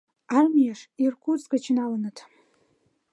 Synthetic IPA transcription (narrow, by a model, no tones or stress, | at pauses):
armijaʂirkʷʰut͡sʼkʼat͡ʃʰinalanɨtʰ